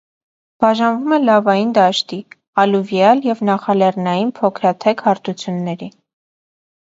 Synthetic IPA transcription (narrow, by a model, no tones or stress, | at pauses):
b̥ɑʒɑnvumɛlɑvɑjind̪ɑʃt̪i | ɑluvjɑljɛvnɑχɑlɛrnɑjinpʰɔkʰɾɑt̪ʰɛkhɑɾt̪ʰut͡sʰjunːɛɾi